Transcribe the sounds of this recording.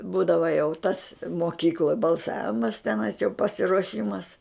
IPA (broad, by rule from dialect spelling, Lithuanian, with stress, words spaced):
ˈbuːdɐʋoː jɛʊ tɐs moːˈkʲiːklˠoːj bɐlˠˈsɑːʋʲɪmɐs tʲɛˈnɐɪs jɛʊ pɐsʲɪruɔˈʃʲɪmɐs